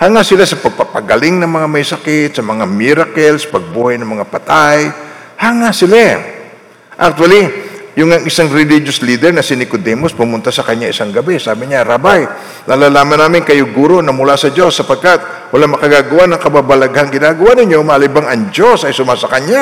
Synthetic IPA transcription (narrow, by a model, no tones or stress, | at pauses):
haŋasɪlasɐpɐɡ̚pɐpɐɡɐlɪŋnɐŋmɐŋamɐjsɐkɪt̪̚sɐmɐŋamiɾakɛlspɐɡ̚buːhajnɐŋmɐŋapɐt̪aj | haŋasɪla | ʔɐk̚t̪wɐlijʊŋɐŋɪsaŋɾɪlid͡ʒosliːd̪ɛɾnɐsɪnɪkod̪ɛmospʊmʊnt̪asɐkɐɲːaɪsaŋɡɐbɛsaːbɪɲaɾaːbaj | nalaːlaːmɐnːaːmɪŋkɐjʊɡuːɾo̞nɐmʊlasɐd͡ʒo̞sːɐpɐɡ̚kat̪̚ | wɐlaŋmɐkɐɡaːɡɐwanɐŋkɐbabɐlɐɡhaŋɡɪnaːɡɐwanɪɲo̞mɐlibaŋɐŋd͡ʒo̞sɐjsʊmasɐkɐɲːa